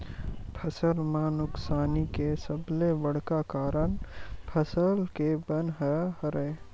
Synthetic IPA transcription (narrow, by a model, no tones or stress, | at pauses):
pʰəsəlmanʊksaːnikesəblebəɽkakaːɾənpʰəsəlkebənɦəɦəɾəe